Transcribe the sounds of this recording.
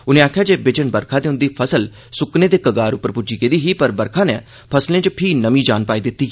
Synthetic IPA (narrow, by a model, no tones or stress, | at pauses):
ʊnẽːaːkʰjaːd͡ʒeːbɪd͡ʒənbəɾkʰãːd̪eːɦʊ̃nd̪iːpʰəsəl | sʊknẽːd̪eːkəɡaːɾʊpːəɾpʊd͡ʒiːkɪd̪iːɦiːpəɾbəɾkʰãːneː | pʰəslẽːt͡ʃəpʰiːnəmĩːd͡ʒaːnpaːiːd̪ɪt̪ːiː